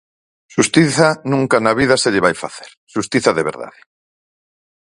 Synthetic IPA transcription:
ʃust̪iθanũŋkanaβiðaseʎɪβajfa̰θeɾ | ʃust̪iθaðeβḛɾða̰ðɪ

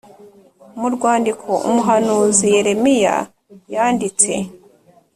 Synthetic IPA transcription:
muɾɡwaːndikʰo̞ʔṵmuɦanuːzije̞ɾe̞mija̰ | jaːndit͡se̞̰

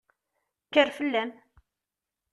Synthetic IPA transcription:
kːəɾfəlːæm

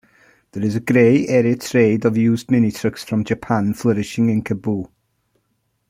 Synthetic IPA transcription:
ðəɹɪzəɡɹeɪɛːɹiətʰɹ̥eɪdəvjuːzd̚mɛnitʰɹ̥əksfɹə̃md͡ʒəpʰãnfləɹɪʃɪ̃ŋɪ̃nkʰəbuː

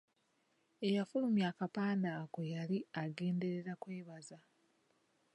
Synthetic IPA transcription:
e̞jafulumjakapaːndakojaliaɡe̞ːnde̞ɾe̞ɾakwe̞ːβaza

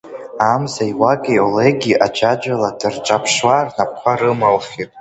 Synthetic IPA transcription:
amzaiwaɡʼejoleɡʲiʔad͡ʒad͡ʒʷaladɨrʈ͡ʂʼapʰʂwarnap̚ʰkʷʰaɾɨmalχʲitʼ

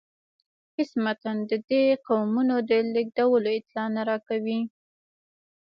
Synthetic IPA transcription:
qɪsmat̪and̪əd̪eqawmunod̪əlɪɡ̚d̪awəloɪt̪lɑnaɾɑkawi

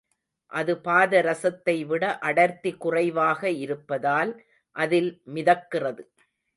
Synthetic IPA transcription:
ʔɐðɯpaːðɐɾɐsɐt̪ːɐɪʋɪɽɐʔɐɽɐɾt̪ikːʊrɐɪʋaːɣɐɪɾɯpːɐðaːl | ʔɐðɪlmɪðɐkːɪrɐðɯ

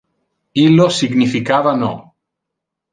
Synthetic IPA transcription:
ilosiɣnifikaβano̰

